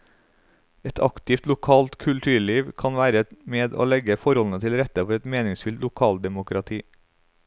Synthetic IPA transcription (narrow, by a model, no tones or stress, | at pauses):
ɛt̪ʰɑ̰kt̪ɪft̪lʊkʰɑːlt̪kʰʉlt̪ʰʉːɭiːʋkʰɑnʋæːɾəmeːd̪o̰ːlɛɡəfɔɾhɔln̩ət̪ʰɪlɾɛt̪əfɔɾɛt̪meːnɪŋsfʏlt̪lʊkʰɑːld̪ɛmʊkɾɑt̪ʰiː